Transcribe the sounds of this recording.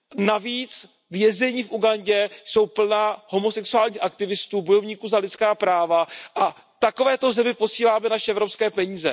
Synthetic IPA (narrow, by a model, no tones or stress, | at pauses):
naviːt͡s | vjɛzɛɲiːfʔuɡaɲɟɛso̞wpl̩naːɦo̞mo̞sɛksuaːlɲiːxakt̪ɪvɪst̪uːbo̞jovɲiːkuːzalɪt͡skaːpɾaːvaʔa | t̪akovɛːt̪o̞zɛmɪpo̞siːlaːmɛnaʃɛɛvɾo̞pskɛːpɛɲiːzɛ̰